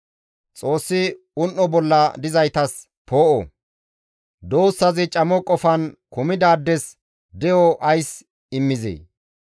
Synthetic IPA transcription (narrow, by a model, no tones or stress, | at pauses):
t͡sʼo̞ːsːɪ | ʊnʔːɔbɔlːɐd̪ɪzɐjt̪ɐs | po̞ːʔɔ | d̪o̞ːsːɐzɪt͡ʃʼɐmɔkʼːɔfɐnkʊmɪd̪aːd̪ːɛs | d̪ɛjɔʔɐjs | ɪmːɪzḛː